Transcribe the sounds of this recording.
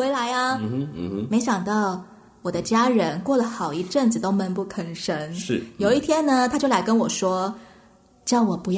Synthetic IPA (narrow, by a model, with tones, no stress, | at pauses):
we˧˥ɪla˧˥ɪɐ˧ | me˧˥ɪɕjɑ˨˩ŋt̪ɑ˥˩ʊ | wɔ˨˩d̪ə˦t͡ɕja˥ɻə˧˥nkwɔ˥˩lə˩xɑ˨˩ʊi˧˥ʈ͡ʂə˥˩ŋt͡sɹ̩˨˩t̪o˥ʊmə˧˥npu˥˩kʰə˧˥nʂə˧˥nʂ̩˥˩jo˨˩ʊi˥˩t̪ʰjɛ˥nnə˨t̪ʰa˥t͡ɕjo˥˩ʊla˧˥ɪkə˥nwɔ˨˩ʂwɔ˥ | t͡ɕjɑ˥˩ʊwɔ˨˩pu˧˥j